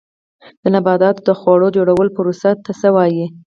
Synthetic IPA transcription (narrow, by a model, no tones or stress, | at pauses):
d̪̥ənabɑd̪ɑt̪od̪əxwɑɽod͡ʒoɽawəlopəɾusat̪ːasəwɑji